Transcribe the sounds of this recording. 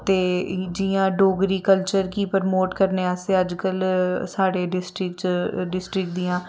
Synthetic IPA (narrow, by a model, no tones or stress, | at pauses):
t̪eːd͡ʒijãːɖoːɡɾiːkəlt͡ʃəɾkiːpəɾmoːʈkəɾneːaːseːəd͡ʒkəlsaːɽeːɖɪsʈɾɪkt͡ʃɖɪsʈɾɪk̚d̪iːãː